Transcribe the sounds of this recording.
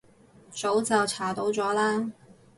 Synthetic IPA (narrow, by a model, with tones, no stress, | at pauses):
t͡so˨˥wt͡sɐ˨wt͡sʰaː˨˩t̪o˨˥wt͡sɔː˨˥laː˥